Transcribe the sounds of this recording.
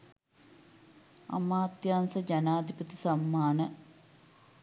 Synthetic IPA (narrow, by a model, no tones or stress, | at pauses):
ɐ̰maːt̪jaːnsəd͡ʒanaːd̪ʱipət̪i̥sɐmːaːnə